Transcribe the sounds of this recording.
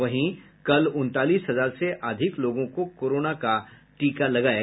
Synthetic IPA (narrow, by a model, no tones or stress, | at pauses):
ʋəɦĩ | kəlunt̪aliːsɦəd͡zaɾseʔəd̪ʱikloɡõkokoɾonakaʈikaləɡaj